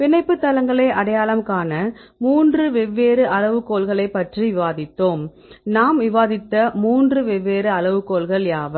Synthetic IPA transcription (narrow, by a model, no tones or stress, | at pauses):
ʋɪnɐɪpːɯt̪ːɐlɐŋɡɐɭɐːʔɐɽɐjaːlɐmkaːnɐmuːndrɯʋɛʋːeːɾɯʔɐlɐʋɯkːoːlɣɐɭɐɪpːɐʈriʋɪʋaːðɪt̪ːoːm | naːmʋɪʋaːðɪt̪ːɐmuːndrɯʋɛʋːeːɾɯɐɭɐʋɯkːoːlɣɐɭjaːʋɐ